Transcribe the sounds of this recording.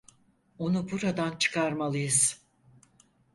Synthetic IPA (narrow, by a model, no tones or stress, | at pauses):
o̞nubuɾad̪ant͡ʃʰɯ̥kʰaɾmalˠɯjɯz̥